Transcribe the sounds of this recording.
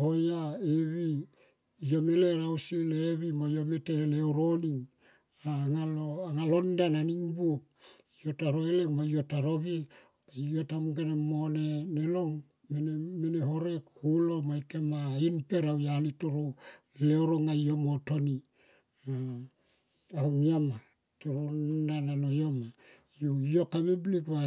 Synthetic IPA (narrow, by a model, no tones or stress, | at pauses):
hojaeβi | ijo̞me̞leɾausileβimojo̞meteleoɾoniŋ | aŋaloŋalondananiŋbuk̚ijo̞taɾoelemojo̞taɾoβieokejotamɡenemonenelo̞ŋ | menemeneɦo̞ɾe̞khulomajkemainpe̞ɾawjalitoɾoleoɾoŋajomotoni | a | ahoŋiama | toɾondanalojomajoijokameblikβa